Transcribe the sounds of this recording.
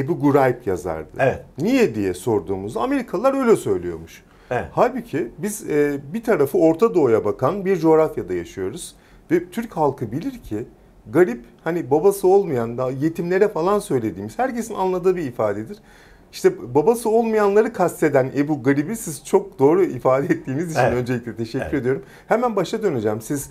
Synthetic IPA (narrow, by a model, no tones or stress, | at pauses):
ebuɡuɾajpja̰za̰ɾd̪ɯ̰ɛnijɛd̪ijɛso̞ɾd̪uːmuzd̪aame̞ɾikʰalˠlˠaɾø̞jlʲɛsø̞jlʲijo̞̰ɾmuʃ | ɛhaːbicʰibizɛːbit̪ʰaɾafɯo̞ɾt̪ʰad̪o̞ːjabakʰanbiɾd͡ʒo̞ːɾafjad̪ajaʃɯjo̞ɾuz̥ | vɛt̪ʰyɾchalˠkʰɯbilʲiɾcʰi | ɡaɾiphanibabasɯo̞lˠmajand̪je̞t̪ʰimlʲe̞ɾɛfalˠansø̞jlʲe̞d̪iːmiz̥hæɾcʰe̞sinanlˠad̪ɯːbiːfaːd̪ed̪iɾ̥ | iʃt̪ʰɛbabasɯo̞lˠmajanlˠaɾɯkʰast̪e̞d̪ænebuːɡaɾibisizt͡ʃʰo̞k̚d̪o̞ːɾuifaːd̪ɛɛt̪ːiːnizit͡ʃʰinø̞nd͡ʒelʲiclʲɛt̪ʰe̞ʃɛcʲːyɾed̪io̞ɾum | hemænbaʃt̪ad̪ø̞ned͡ʒɛmsiz